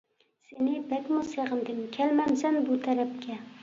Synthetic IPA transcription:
senɪbakʲmʊseʁɨnd̪ɪmkʲʰalmamsanbʊt̪ʰaɾap̚kʲa

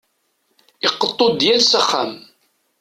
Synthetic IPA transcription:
ɪqːət̪ˤːod̪jælsaχːa̰m

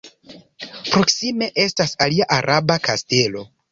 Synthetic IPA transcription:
pɾo̞ksime̞ʔe̞stasaliaʔaɾʔabakaste̞lo̞

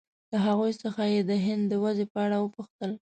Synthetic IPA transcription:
laɦaɣujsəxajed̪əɦɪnd̪ːəwazepəaɽawəpuxt̪əl

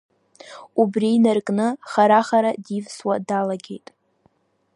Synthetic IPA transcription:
ubrinarkʼnɨχaɾaχaɾadivswadalaɡʲe̞̰jtʼ

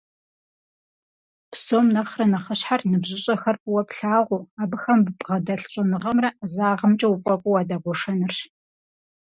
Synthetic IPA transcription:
psomnɐχrɐnɐχəɕħarnɨbʑɪɕʼɐxɐrpʼɨwɐpɬaːʁʷʊaːbɨxɐmbɨpʁɐdɐɬɕʼɐnɨʁɐmrɐzaːʁəmt͡ʃʼɐwufʼɐpʼuwaːdaːɡʷɔʂɐnɨrɕ

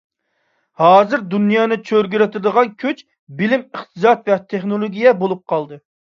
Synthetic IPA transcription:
hɑːzɨɾd̪unijɑːnɨt͡ʃʰøɾɡʲyɾɪt̪ɪd̪əʁɑnkʲʰøt͡ʃ | bɪlɪmɨχt̪ʰɨsɑt̪vɛt̪ʰeχnolˠoɡʲijɛbolˠup̚qʰɑlˠd̪ɨ

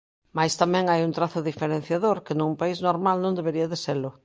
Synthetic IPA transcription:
majst̪amɛ̃ŋajunt̪ɾaθʊðifeɾẽn̟θjaðoɾkɪnũmpaiznoɾmalnõnd̪eβeɾiaðeselʊ

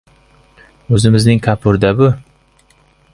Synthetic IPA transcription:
ɵzɪmɪznɪŋkʰapʰʊɾd̪abʊ

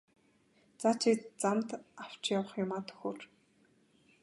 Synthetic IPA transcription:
t͡sat͡ɕʰit̪t͡samt̪aw̥t͡ɕjawə̆χjʊmaːt̪ʰɵ̥xoːr

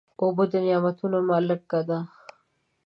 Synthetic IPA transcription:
obod̪ənɪjamɐt̪ʰunomalək̚kad̪a

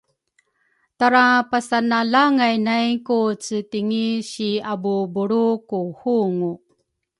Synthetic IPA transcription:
taɾapasanalaŋajnajkut͡sətiŋiɕiabubuɾukuhuŋu

